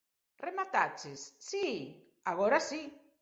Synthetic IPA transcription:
remat̪at͡ʃesːi | aɣoɾasi

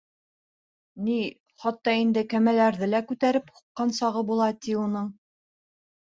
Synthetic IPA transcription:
ni | χɑt̪ːɑind̪ɘkæmælæɾðɘlækʉt̪æɾɘphu̥qːɑnsɑʁɤbulˠɑt̪iunɤɴ

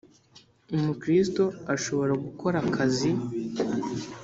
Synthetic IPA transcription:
umukɾisto̞aʃo̞βo̞ɾaɡukʰo̞ɾakʰazi

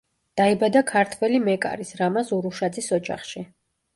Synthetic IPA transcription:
d̪̥aibad̪akʰaɾt̪ʰwɛlimɛkʼa̰ɾisɾamasuɾuʃad̪zisɔd͡ʒa̰χʃi

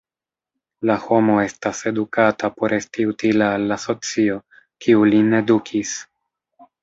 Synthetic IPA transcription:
laho̞mo̞e̞stase̞dukatapo̞ɾe̞stiutilaːlːaso̞t͡sio̞ | kiuline̞dukʰis

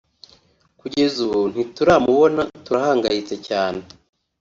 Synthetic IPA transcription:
kuɟe̞zuβon̥ituɾamuβo̞natuɾahaːŋɡajit͡secaːne̞

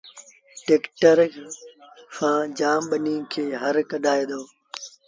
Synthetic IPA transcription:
ʈeːkʈəɾ | fãːd͡ʒaːmɓənĩːkʰeːɦəɾkəɗʱaːeːd̪oː

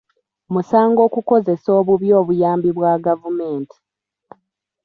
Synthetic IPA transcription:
musaːŋɡo̞ːkuko̞ze̞so̞ːβuβjo̞ːβujaːmbiβwaɡavume̞ːntʰi̥

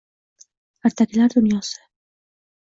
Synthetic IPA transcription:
aɾt̪ʰakʲɪlaɾd̪ʊnjɒsɪ

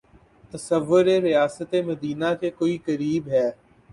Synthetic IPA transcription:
t̪ɐsəʋːʊɾeɾɪjaːsət̪emɐd̪iːnakekoːikəɾiːbɦɛː

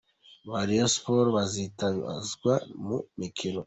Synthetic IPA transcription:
βaɾijospoɾβazitaβḭa̰zɡwamumikʰino

